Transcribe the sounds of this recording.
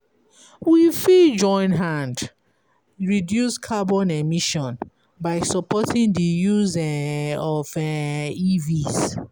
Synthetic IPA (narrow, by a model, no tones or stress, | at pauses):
wifid͡ʒɔ̃ɪ̃nɦãnd | ɹidjuskʰabɔ̃nemiʃɔ̃n | baɪsɔpɔtʰĩŋdijuzɛɔvɛiviz